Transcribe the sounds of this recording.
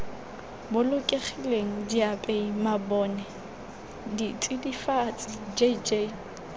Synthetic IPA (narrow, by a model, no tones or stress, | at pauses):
bʊlʊkʼeχʰileŋ̩diapʼeimabɔːnɛ | ditʼidifat͡sʼɪd͡ʒed͡ʒe